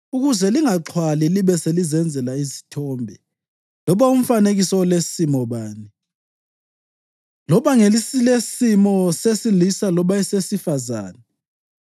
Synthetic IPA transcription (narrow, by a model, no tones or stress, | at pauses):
uɣuzɛliŋaǁʰwaliliβɛselizɛnd͡zʱɛlaizi̥tʰɔːmbʱɛ | lɔβaum̩faneɣisɔlesimɔβaːni | lɔβaŋelisilesimɔsesilisalɔβaisesifaza̰ːnɛ